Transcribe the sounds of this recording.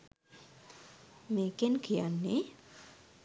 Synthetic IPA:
mekenkʰijanːe

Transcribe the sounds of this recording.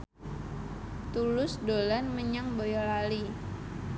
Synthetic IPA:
t̪ulʊsdolanməɲaŋbojalali

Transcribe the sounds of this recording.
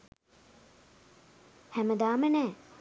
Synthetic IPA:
hæməd̪aːmənɛː

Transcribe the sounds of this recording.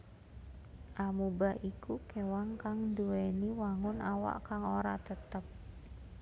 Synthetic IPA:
ʔamubaʔikukewaŋkaŋduweniwaŋʊnawa̰ʔkaŋoɾat̪ət̪əp̚

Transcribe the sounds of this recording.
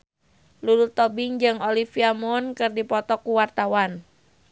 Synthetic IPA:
lulut̪ɔbɪŋd͡ʒɨŋolifiamɔnkɨrdipɔt̪ɔkuwart̪awan

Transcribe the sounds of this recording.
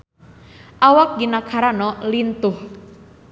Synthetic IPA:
ʔawak̚ɡinakʰaɾanɔlint̪ʊh

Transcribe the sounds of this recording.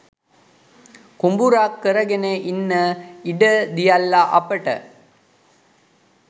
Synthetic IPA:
kumbuɾaːkːəɾəɡeneʔinːəiɖəd̪ijɐlːaʔɐ̰pəʈə̰

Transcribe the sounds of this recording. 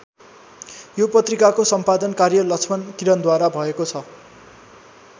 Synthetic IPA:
jopʌt̪rikakosʌmpad̪ʌnkarjʌlʌkt͡sʰmʌnkiɾʌnd̪waɾabʱʌekot͡sʰʌ

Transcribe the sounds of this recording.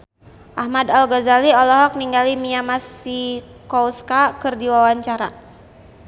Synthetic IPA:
ʔahmadalɡɔzaliɔlɔɦɔk̚niŋɡalimiamasikɔwskakɨrdiwawaɲt͡ʃaɾa

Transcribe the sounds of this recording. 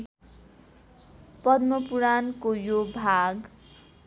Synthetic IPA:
pʌd̪mʌpuɾankojobʱaɡ

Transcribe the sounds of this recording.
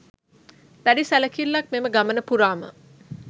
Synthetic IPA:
d̪̥æɖisæləkilːak̚meməɡamənəpuɾaːmə̰

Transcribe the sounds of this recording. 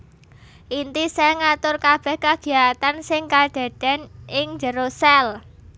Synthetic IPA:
ʔint̪isɛŋat̪ʊrkab̥ɛ̤hkaɡ̥i̤jat̪ansɪŋkad̪̥a̤d̥a̤nɪŋd͡ʒəɾosɛl

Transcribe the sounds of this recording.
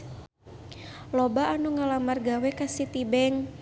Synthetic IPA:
lɔbaːnuŋalamarɡawɛkasit̪ibɛŋ

